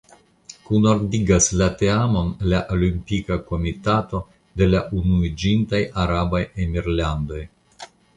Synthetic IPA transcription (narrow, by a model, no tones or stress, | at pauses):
kunoɾdiɡaslate̞amo̞nlaʔolimpikako̞mitato̞ | de̞laʔunuid͡ʒintajaɾabajemiɾlando̞j